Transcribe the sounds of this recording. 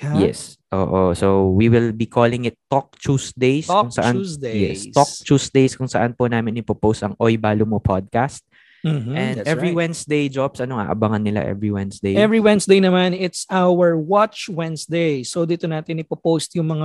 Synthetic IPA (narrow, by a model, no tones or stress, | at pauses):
jɛ̰sʔo̰ːʔosowiwɪlbikʰoːlɪŋɪt̪ːok̚t͡ʃuːsd̪ejskʊŋsɐand̪ejɛ̰st̪ɔk̚t͡ʃuːsd̪ejskʊŋsɐʔanpʊnaːmɪnɪpopowst̪ɐŋʔojbaːlʊmopʰɔd̪̚kast̪̚ | m̩ɛ̃nd̪aʔɛvɹiwɛ̃nsd̪ejd͡ʒɔbsʔɐnoŋʔa̰ːʔɐbaŋɐnːɪla̰ʔɛ̰vɹiwɛnsd̪ejɛvɹiwɛ̃nsd̪ejnɐmanɪt̪sʔawəɹwat͡ʃwɛ̃nsd̪ejsowd̪it̪onaːt̪ɪnɪpopost̪jʊŋmɐŋa